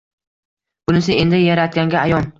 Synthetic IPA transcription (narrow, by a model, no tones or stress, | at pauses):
b̥ʊnɪs̬ɪe̞nd̪ɪjaɾat̪̚ɡʲaŋɡʲaajɒn